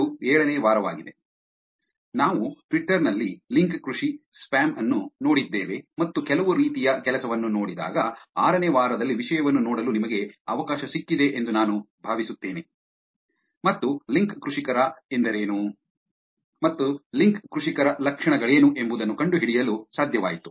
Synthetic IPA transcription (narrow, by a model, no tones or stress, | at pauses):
uɛːɭɐneːʋaːɾɐʋa̰ːɡid̪e̞ | naːʋuʈʋiʈːɐɾnɐlːiliŋkkɾuʂispaːmɐnːuno̞ːɽid̪ːeːʋe̞mɐt̪ːukɛlɐʋuɾiːt̪ijɐkɛlɐsɐʋɐnːuno̞ːɽid̪a̰ːɡɐaːɾɐneːʋaːɾɐd̪ɐlːiʋiʂɐjɐʋɐnːunoːɽɐlunimɐɡeɐʋɐkaːʃɐsikːid̪e̞ʔend̪unaːnu | bʱaːʋisut̪ːeːne | mɐt̪ːuliŋkkɾuʂikɐɾɐend̪ɐɾeːnu | mɐt̪ːuliŋkkɾuʂikɐɾɐlɐkʂɐɳɐɡɐɭe̞ːnuʔe̞mbud̪ɐnːukɐɳɖuɦiɽijɐlusaːd̪ʱjɐʋaːjit̪u̥